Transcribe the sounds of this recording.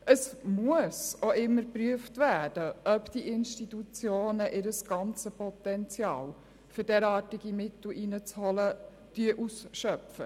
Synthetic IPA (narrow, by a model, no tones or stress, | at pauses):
əsmuəsoʔɪmːəɾpɾyəftvæːd̥əʔœpd̥iʔɪnʃtitut͡sjoːnəʔɪɾəsɡ̥ɑnt͡səpɔt̪ɛnt͡sjɑ̰ːl | fʏɾdɛɾɑːtiɡ̥imɪtl̩ʔinət͡shɔlə | d̥yəʔusʃœpfə